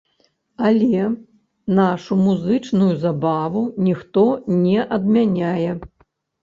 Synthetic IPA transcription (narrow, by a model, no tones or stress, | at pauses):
ɐlʲɛ | naʂumuzɨt͡ʂnujuzabavunʲixt̪ɔnʲɛʔɐd̪mʲanʲajɛ